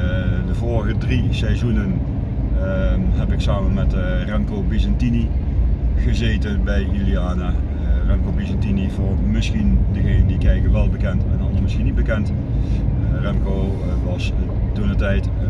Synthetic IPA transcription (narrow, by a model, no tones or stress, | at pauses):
dəvʊːɹəɣədrisɛjzunən | ɦɛpɪksaːmənmɛtrɛɑŋkowbizɛntini | ɣəzejtənbɛjyliaːna | rɑŋkobizɛntinivʊːɹmɪsxindəɣeːnəndikɛjkənʋɛlˠbəkɛntɛnɑnsmɪsxinit̚bəkɛnt | rɛŋko | ʋɑs | dunətɛjt